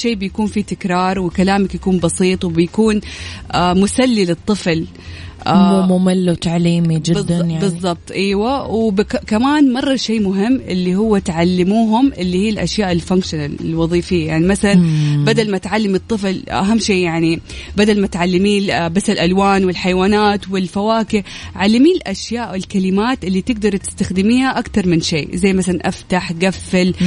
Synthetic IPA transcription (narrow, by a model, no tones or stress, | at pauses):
ʃeːbjakuːnfit̪ɪkɾˤɑːɾˤwɪkalaːmakjakuːnbɑsiːt̪ˤwɪbɪjakuːnʔamʊsalːilɨt̪ˤːɨfl | ʔammʊmɪlːwt̪aʕliːmid͡ʒɪb̪jbɨzˤːɑb̚t̪ˤʔaːwawbkkamaːnmɑrˤːɑʃeːmʊɦɪmːʔɪlːihʊwːat̪ʕalːɪmuːɦʊmʔɪlːihiːlʔaʃjaːʔɪlfaŋkʃʊnalɪ̰lwɑðˤiːfɪjːajaʕnimasalanbad̪almat̪ʕalːamɨt̪ˤːɨflʔa̰ɦamːʃeːʔjaʕnibad̪almat̪ʕalːɪmiːbasːɪlʔalwaːnwɪlħajwaːnaːt̪wɪlfawaːkɪʕalːamiːlʔaʃjaːʔɪlkalɪmaːt̪ʔɪlːit̪ɪɡ̚d̪ɑɾˤt̪ɪ̥st̪axd̪ɪmiːhaʔakt̪ɑɾˤmɪnʃḛːzajːmaθalanʔaft̪aħɡafːɪl